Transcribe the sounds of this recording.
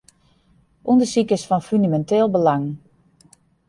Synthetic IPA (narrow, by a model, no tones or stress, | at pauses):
ʔundəsikəsfɔnfyndamɛntɪːlˠbəlaŋ